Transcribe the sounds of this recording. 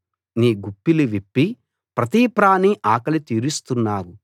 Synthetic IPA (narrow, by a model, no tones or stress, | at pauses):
niːɡupːiliʋipːi | pɾɐt̪iːpɾaːniʔaːkɐlit̪iːɾust̪unːaːwu